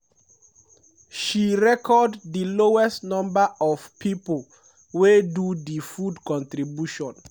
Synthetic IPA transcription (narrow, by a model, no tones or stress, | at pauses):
ʃiɹɛkʰɔddəloɛstnɔ̃mbaʔɔv̥pipol | wedudifudkɔ̃ntɾibjuʃɔ̃n